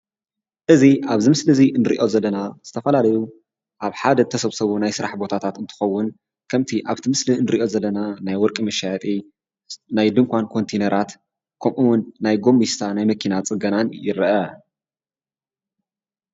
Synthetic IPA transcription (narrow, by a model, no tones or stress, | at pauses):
ʔɨziʔaβzɨmɨslɨzinɨɾḭʔo̞zɐlːɐnaz̥ɨt̪ʰɐfɐlalɐju | ʔaβħad̪ɐt̪ʰɐsɐβsɐβunajsɨɾaħbo̞t̪ʰat̪ʰat̪ɨnt̪ʰɨ̥xɐwːʊn | kʰɐmt̪ʰiʔaβt̪ʰimɨslinɨɾiʔo̞zɐlːɐnanajwɔɾkʼimɐʃajɐt̪ʼi | najd̪ɨŋkʷankʰo̞nt̪ʰenɐɾʔat̪ | kʰɐmʔuwnːajɡo̞mːist̪ʰanajmɐkʰinat͡sʼɨɡɐnanjɪɾɨʔɐ